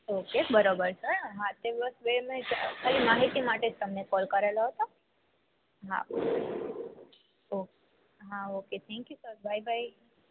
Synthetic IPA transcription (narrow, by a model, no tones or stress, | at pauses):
okebəɾobəɾsəɾɦãt̪ebəsbemẽd͡ʒakʰaːlimaɦit̪imaʈed͡ʒt̪əmnekɔlkəɾelaɦət̪a | ɦã̰o | ok | ɦãoket̪ʰɛ̃ŋkjusəɾbʱajbʱai